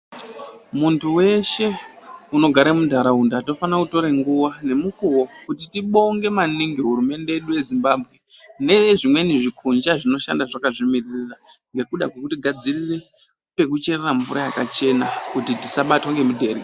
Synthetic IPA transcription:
muntʰuwe̞ʃe̞uno̞ɡʱaɾemudʱaɾaundato̞fanakuto̞ɾeŋɡuwane̞mukuwo̞kutitiɓo̞ŋɡe̞maniŋɡiɦuɾume̞nde̞eɗuje̞zimbabʱɣe̞ | ne̞ʐimwe̞niʐikʰund͡ʒaʐino̞ʃa̰ndaʐakaʐimiririra | ŋɡe̞kuɗa̰kwe̞kutiɡʱad͡zirire̞ | pe̞kut͡ʃe̞reraɱvuɾajakat͡ʃe̞nakutitisaɓatwoŋɡe̞mudʱe̞ɾi

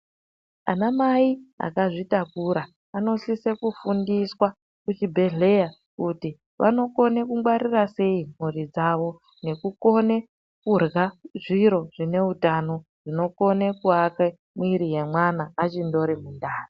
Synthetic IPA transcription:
anamaia̰kaʐitakuɾa | ano̞sise̞kufundiswa | kut͡ʃibʱe̞ɮe̞ja | kuti | ʋa̰no̞ko̞ne̞kuŋɡwaɾirase̞im̤uɾid͡zaʋo̞ | ne̞kuko̞ne̞ | kurɣaʐiɾo̞ʐ̥ine̞utano̞ | ʐ̥ino̞ko̞ne̞kuake | mwiɾije̞mwanaːt͡ʃindo̞ɾimundaːri

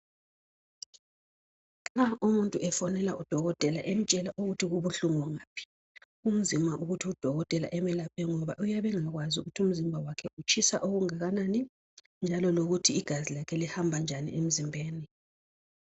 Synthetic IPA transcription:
aumuntʼuʔɛfɔnɛlaʔud̥ʱɔɣɔtʼɛlaʔɛn̩t͡ʃʼɛlaʔoɣutʰiɣuβuɬuŋwɔŋaːpʰi̥ | um̩zimaʔuɣutʰiud̥ʱɔɣɔtʼɛla̰ʔɛmɛlapʰɛŋɔβaʔujaβɛŋaɣwazṵɣutʰum̩zimbʱawakʰɛut͡ʃʼisaʔoɣuŋaɣanani | nd͡ʒʱalɔloɣutʰiːɡ̥ʱazilakʰɛlihambʱand͡ʒʱanḭʔem̩zimbʱeːni

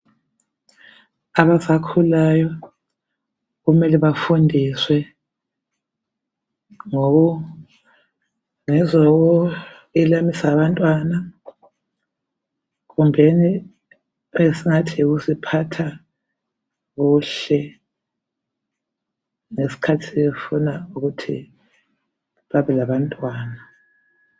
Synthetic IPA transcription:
aβasakʰulajɔ | ɣumɛliβafundʱiswɛ | ŋɔɣu | ŋɛzɔɣɔ | ilamisaβantʼwana | ɣumbʱeni | esiŋatʰiɣusipʰatʰa | ɣuːɬɛ | ŋesi̥kʰatʰiefunauɣutʰḭ | βaβɛlaβantʼwaːna

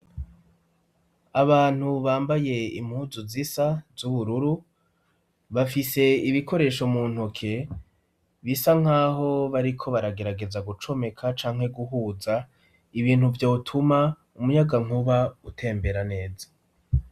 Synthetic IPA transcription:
aβaːn̥huβaːmbaje̞ḭm̥huːzuzisazuβuɾuɾu | βafise̞iβikʰo̞ɾe̞ːʃo̞muːn̥hukʰe̞ | βisaŋ̥aːɦo̞βaɾikʰo̞βaɾaɡe̞ɾaɡe̞zaɡut͡ʃo̞me̞kʰat͡ʃaːŋhe̞ɡuɦuza | iβiːn̥huvjoːtʰuma | umujaɡaŋuβautʰe̞ːmbe̞ɾane̞ːza

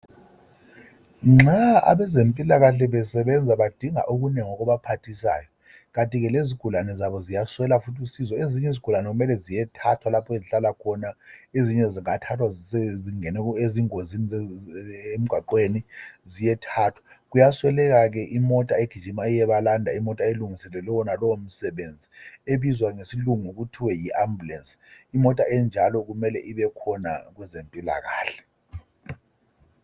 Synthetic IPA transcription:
ŋ͡ǁaa̰βɛzempʼilaɣaɬɛβɛsɛɓɛnd͡zʱaβad̥ʱiŋa̰ʔuɣ̬unɛŋɔk̬ɔβapʰatʰisa̰ːjɔ | kantʼiɣɛleziɡ̥ʱulanɛzaβɔzijaswɛlafutʰʼusizɔeziɲɛziɡ̥ʱulanɛɣumɛlɛzijɛtʰatʰwalapʰɔeziɬalakʰɔnaeziɲɛziŋatʰatʰwaeziŋɛnɛeziŋozini | em̩ɡ̥ʱaǃwenizijɛtʰaːtʰwḁk̬ujaswɛlɛk̬ak̬ɛʔimɔtʼaeɡ̥ʱi̥ʒʱimaɛjɛɓalandʱa̰imɔtʼaeluŋisɛlɛlɔwɔnalɔwom̩sɛɓend͡zʱieɓizwaŋesiluŋuk̬utʰiwɛjiʔambʱulɛnsi̥imɔtʼaɛnd͡ʒʱalɔk̬umɛlɛʔiɓɛkʰɔna̰k̬wɛzempʼila̰k̬aːɬɛ̥

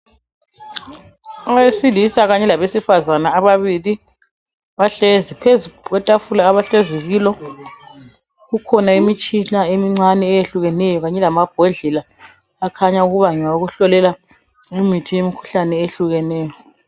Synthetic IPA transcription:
ajesilisaɣaɲɛlaβesifazanaːβaβili | βaɬezipʰezukwɛtʼafulaːβaɬeziɣiːlɔ | ɣukʰɔnaimit͡ʃʼiɬaemiŋ͡ǀanɛːjeɬuɣɛnɛjɔɣaɲɛlamab̥̚ʱɔɮɛlaː | kʰaɲauɣuβaŋɛauɣuɬɔlɛla | imitʰijemikʰu̥ɬanɛeɬuɣɛnɛːjɔ

